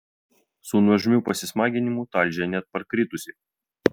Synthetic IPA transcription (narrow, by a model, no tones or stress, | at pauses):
sunɐʒʲmʲuˑpɐsʲɪsmɑːɡʲɪnʲɪmuˑt̪ɐlʲd͡ʒʲɛnʲɛt̪̚pɐɾkɾʲɪt̪ʊsʲɪ